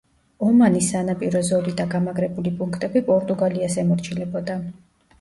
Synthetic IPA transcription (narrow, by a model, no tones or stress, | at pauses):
ɔmanisanapʼiɾɔzɔlid̪aɡamaɡɾɛbulipʼuŋkʰt̪ʼɛbipʼɔɾt̪ʼuɡaliasɛmɔɾt͡ʃʰilɛbɔd̪a